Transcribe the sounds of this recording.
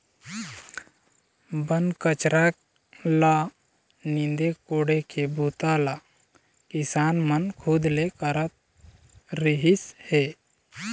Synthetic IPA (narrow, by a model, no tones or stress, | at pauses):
bənkət͡ʃɾʔaːk | la | nɪ̃nd̪ekoːɽekʰebuːt̪ala | kɪsaːnmənkʰud̪lekəɾət̪̚ | ɾɪɦɪsheː